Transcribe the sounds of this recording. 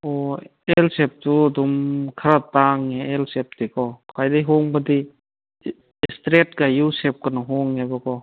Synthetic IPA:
o | elsep̚tuɐdumkʰɐɾataŋeelsep̚dikɔkajdejɦoŋbɐdi | stɾet̚kajusep̚kɐnɔɦɔŋːebakɔ

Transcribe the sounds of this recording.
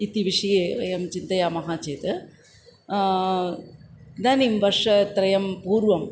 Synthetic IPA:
ɪt̪ːiʋɪʂɐjeːɐjɐmt͡ʃɪnd̪ɐjaːmɐɣaːt͡ʃeːt̪ɯ | d̪aːnimʋɐɾʂɐt̪ɾɐjɐmpuːɾʋɐm

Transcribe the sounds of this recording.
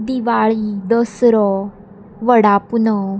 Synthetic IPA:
d̪iʋaɭid̪əsɾɔ | ʋəɽapunɔ

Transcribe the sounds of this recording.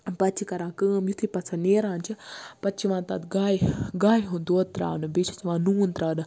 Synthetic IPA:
pɐt͡ʃʰikɐɾãːkəːmjut̪ʰipɐt͡sʰɐneːɾãːnt͡ʃʰipɐt͡ʃʰiʋãːnt̪a̰d̪ɡaːjɡaːjiɦund̪oːt̪ɾa̰ːnɨbet͡ʃʰɐ̥t͡ʃʰiʋãːnuːnt̪ɾaːnɨ

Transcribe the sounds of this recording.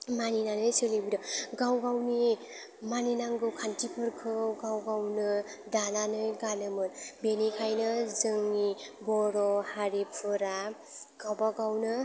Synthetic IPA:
maninanɯjsɯlebuɾʌɡawɡawni | maninaŋɡɯkʰantipʰɯɾkʰɯɡawɡawnɯd̪ananɯjɡanɯmɯnbenikʰajnʌzɯŋibɔɾɔhaɾepʰɯɾa | ɡawbaɡawnɯ

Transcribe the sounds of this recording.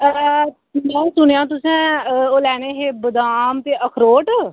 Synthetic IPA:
mɛ̃ːsʊñejãːt̪ʊsɛ̃ːoːlɛːɽ̃eːɦeːbəd̪aːmt̪eːʔəkʰɾoːʈ

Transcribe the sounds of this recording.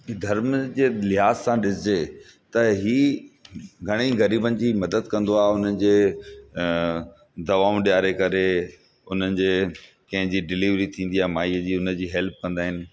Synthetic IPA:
d̪ʱɐɾmd͡ʑeːlɪɦaːzsãɗɪsɪd͡ʑe | t̪ɐɦiː | ɡʱɐɽ̃iɣɐɾiːbənɪ̆d͡ʑiːmɐd̪əd̪kɐ̃nd̪oaːɦeʊn̤ənɪ̆d͡ʑeː | d̪ɐʋaːʊ̃ɗijaːɾekɐɾe | ʊn̤ənɪ̆d͡ʑeː | kɐ̃ɦɪ̃d͡ʑiːɖɪliːʋɾit̪ʰĩːnd̪iaːmaːiːəd͡ʑiːʊnəd͡ʑiːɦɛlp̚kɐ̃nd̪aːɦɪnɪ̆

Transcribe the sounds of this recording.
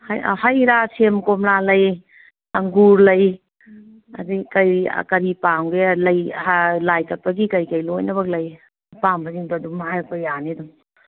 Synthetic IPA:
haj̰hajɾasemkomlalɐj | ɐŋɡuɾlɐj | ɐdikɐj̰kɐɾipamɡelɐjalajtɐp̚pɐɡikɐjkɐjlojnɐbɐk̚lɐj | pambaziŋdadumɦajpajanedum

